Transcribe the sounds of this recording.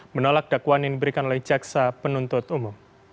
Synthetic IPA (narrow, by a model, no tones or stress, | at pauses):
mənolak̚d̥akwaninibəɾikanolɛhd͡ʒaksapənunt̪ʊt̪umʊm